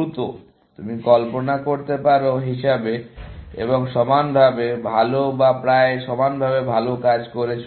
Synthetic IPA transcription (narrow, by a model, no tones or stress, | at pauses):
ut̪o | t̪umikɔlponakoɾt̪epaɾoɦiʃabeḛboŋʃɔmanbʱabebʱalobapɾaeʃɔmanbʱabebʱalokad͡ʑkoɾet͡ɕʰ